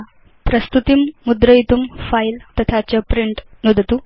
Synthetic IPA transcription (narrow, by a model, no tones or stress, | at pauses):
pɾəst̪ut̪imːud̪ɾəit̪umfajilt̪ət̪ʰat͡ɕəpɾiɳʈnud̪ʱt̪u